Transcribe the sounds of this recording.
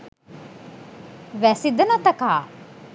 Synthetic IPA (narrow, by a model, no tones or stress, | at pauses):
ʋæsid̪ɐnɐt̪ɐkaː